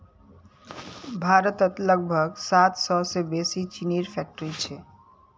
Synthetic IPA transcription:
bʱaɾət̪ət̪ləɡ̚bʱəɡsat̪sɔsebesit͡ʃiniɾpʰɛk̚ʈɾit͡ʃʰɛ

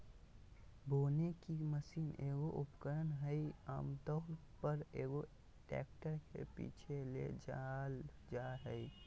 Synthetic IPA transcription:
boːnekiməsiːneːɡoʔṵpkəɾənɦəia̰ːmt̪əɦpəɾeːɡo | ʈɛ̰ːk̚ʈəɾkḛpḭːt͡ʃʰelḛd͡ʒal | d͡ʒaɦəi

